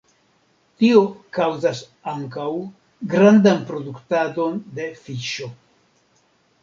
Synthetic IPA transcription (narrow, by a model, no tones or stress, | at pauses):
tio̞kawzas | aŋkaw | ɡɾandanpɾo̞duktado̞nde̞fiʃo̞